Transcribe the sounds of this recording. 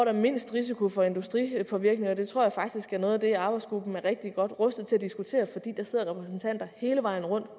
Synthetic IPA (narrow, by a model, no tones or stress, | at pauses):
ɒɾ̥ɑ̈me̝n̰sd̥ʁis̬ikʰofɒ̽e̝nd̥usd̥ʁḭpʰɒ̽ʋiɐɡ̥ne̝ŋɒd̥e̝t͡sʰʁo̝ɐ̰jɑ̈fɑ̈ɡ̥̚d̥isɡ̥æɐnɔ̽ːðˠd̥e̝ɑ̈ːb̥ɑ̈ɪsɡ̥ʁub̥n̩æɐʁɛɡ̥̚d̥iɡ̥ɒ̽d̥ʁœsd̥ð̩ˠt͡sʰe̝læd̥isɡ̥ut͡sʰe̝̰ːɐfɒ̽d̥ḭːd̥ɑ̈se̝ð̰ˠɐʁɛpʰʁɛsn̩t͡sʰæn̰d̥ɐhe̝ːləʋɑ̈ɪ̰n̩ʁɔ̽n̰d̥